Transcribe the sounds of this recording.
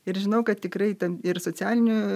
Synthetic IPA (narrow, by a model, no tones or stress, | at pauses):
ɪɾʒʲɪnɐʊkɐt̪tʲɪkɾɐɪt̪ɐmɪɾsoːt͡sʲæːlʲɪnʲʊ